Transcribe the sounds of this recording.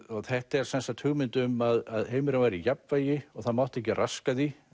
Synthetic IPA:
ɔɣθɛht̪ɛɾ̥sɛnsat̪ʰʏɣmɪnt̪ʏmaðaðheːjmʏɾavajɾijapvajɪɔɣθaðmawht̪ɛhcːɪrʔaskaði

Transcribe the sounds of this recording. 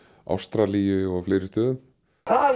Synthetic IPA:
ʔa̰wst̪ɾaliːjɪɔɣflejɾɪst̪œːðʏm | a

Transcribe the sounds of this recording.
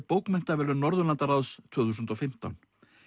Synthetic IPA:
poːwkmɛn̥t̪avɛːlʏnɔɾðʏnlant̪aɾawst̪ʰv̥œːθuːsʏnt̪ɔfɪm̥t̪a̰wn

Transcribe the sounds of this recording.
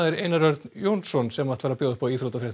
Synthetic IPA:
ðɪɾeːjnaɾœɾt̪njoːwnsɔnsɛmːat̪vaːɾapjoːðʏhpɔaiːθɾowt̪afɾɛht̪

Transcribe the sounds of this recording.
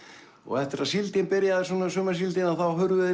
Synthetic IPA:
ɔ̰ɣɛft̪ɪɾaðsilt̪ɪnpɪɾjaðɪ̥sɔːnasœːmas̬ilt̪ɪnaðθawɦʏɾvʏðɪ

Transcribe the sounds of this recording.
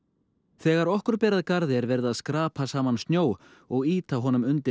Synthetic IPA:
θɛːɣaɾɔhkʏɾ̥pɛːɾaðkaɾðɪɛɾvɛɾðaðskɾaːpʰasaːmanst̪njoːw | ɔɣiːt̪aɦɔːnʏmʏnt̪ɪ

